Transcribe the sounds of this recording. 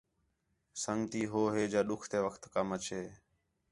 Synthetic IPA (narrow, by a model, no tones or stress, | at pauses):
səŋɡt̪iːɦoːɦeːd͡ʒaːɗʊkʰt̪eːʋəkʰt̪kəmət͡ʃeː